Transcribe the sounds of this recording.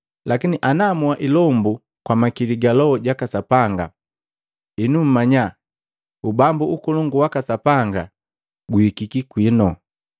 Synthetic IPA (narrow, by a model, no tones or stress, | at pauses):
lakiniʔanamuaʔilɔmbu | kwamakiliɡalɔɔɟakasapaŋɡa̰ | inum̩maɲa | ubambuukɔlɔŋɡuwakasapaŋɡa | ɡuhikikikwinɔ